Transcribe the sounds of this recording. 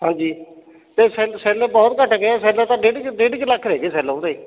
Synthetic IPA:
hãːd͡ʒiː | t̪eːsɛːlsɛːlebɔːt̪kəʈʰːɡeaːsɛːlẽt̪ãːɖeːɖkɖeɖkləkʰːɾeːɡeːsɛːlõːd̪eiː

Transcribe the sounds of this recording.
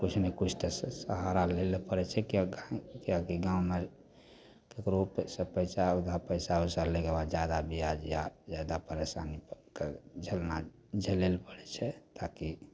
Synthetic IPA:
kut͡ʃʰnekut͡ʃʰt̪essəɦaɾalelepəɽɛt͡ʃʰɛkɡakiakiɡãũmeɾ | kekɾopsə̃pəjsaud̪ʱapəɪsausaɾleɡebad͡ʒad̪abʱiad͡ʒjad͡ʒad̪apəɾesanipked͡ʒʱəlna | d͡ʒʱəlelpəɽɛt͡ʃʰɛt̪aki

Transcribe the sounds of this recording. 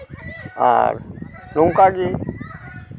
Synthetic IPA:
a̰ɾnuŋkaɡe

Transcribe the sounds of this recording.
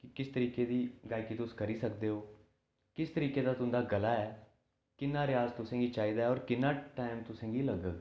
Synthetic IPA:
kɪkɪst̪əɾiːkeːd̪iːɡaːikiːt̪ʊskəɾiːsək̚d̪eːɦoː | kɪst̪əɾiːkeːd̪aːt̪ʊ̃nd̪aːɡəlaːɛː | kɪnːaːɾɪaːzt̪ʊsẽːɡiːt͡ʃaːiːd̪aːɦɛɔːɾkɪnːaːʈaːɪmt̪ʊsẽːɡiːləɡəɡ

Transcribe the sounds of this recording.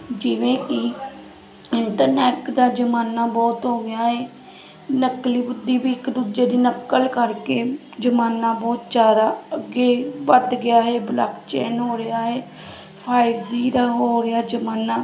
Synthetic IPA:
d͡ʒɪːʋẽːkiː | ɪɳʈəɾnɛːʈd̪aːd͡ʒəmaːnaːbɔːt̪ɦoːɡɪjaːɦeː | nəkliːbʊd̪iːbiːɪkd̪uːd͡ʒeːd̪iːnəkːəlkəɾkeː | d͡ʒəmaːnaːbɔːt̪d͡ʒaːɾaːəɡeːʋəd̪ɡɪjaːɦeːbla̰ːkt͡ʃɛ̰ːnɦoːɾɪjaːɦeː | pʰaːɪʋziːɾaːɦoːɾɪjaːd͡ʒəmaːnaː

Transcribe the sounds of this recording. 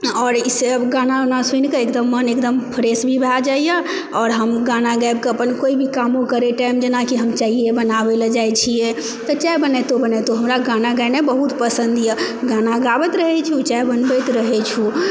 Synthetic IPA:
ɔːɾisebɡananasunkeekd̪əmːənekd̪əmpʰəɾesbʱibʱɛd͡ʒaija | ɔːɾɦəmɡanaɡajb̚keəpənkoibʱikamõkəɾeʈajmd͡ʒenakiɦəmt͡ʃaɦijebənabeld͡ʒajt͡ʃʰije | t̪ɔt͡ʃajbənɛt̪obənɛt̪oɦəmɾaɡanaɡanebəɦut̪pəsənd̪ijəɡanaɡabət̪ɾəɦɛt͡ʃʰut͡ʃajbənbɛt̪ɾəɦɛt͡ʃʰu

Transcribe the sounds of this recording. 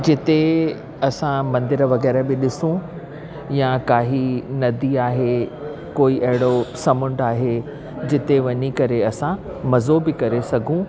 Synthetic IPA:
d͡ʑɪt̪e | ɐsãmɐ̃nd̪ɪɾʋɐɣɛːɾabɪɗɪsũ | jãkaːɦinɐd̪iaːɦe | koːiʔɐɦɪɽ̃osɐmʊ̃ɳɖaːɦe | d͡ʑɪt̪eʋɐɲikɐɾeɐsã | mɐzobɪkɐɾesɐɡʱũ

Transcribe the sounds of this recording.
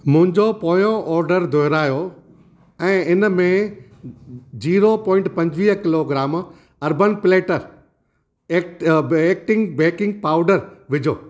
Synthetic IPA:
mʊ̃ɦɪ̃ɲd͡ʑopoːjõʔɔːɾɖəɾd̪ʱoɦɾaːjo | ɛ̃ːɪnmẽ | d͡ʑiːɾopɔ̃ːɪ̃ɳʈpɐ̃ɲd͡ʑʋiːɦkɪloɡɾaːm | ɐɾbənpɪleːʈəɾ | eːk̚ʈeːk̚ʈɪ̃ŋɡbeːkɪ̃ŋɡ̚paːʊɖəɾʋɪd͡ʑʱoː

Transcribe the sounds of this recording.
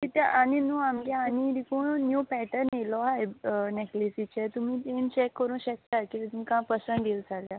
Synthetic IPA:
t̪it̪aʔaninũamɡaaniɾikunjupɛʈəɾnelɔɦajneklisit͡ɕɛt̪um̤it̪ent͡ɕɛkːəɾũnɕək̚t̪akit̪it̪umikãpəsəɳd̪ilsaɡja

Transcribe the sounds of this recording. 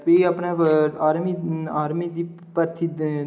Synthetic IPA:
peɐpnaaːɾmiaːɾmiːd̪i | pəɾt̪ʰi

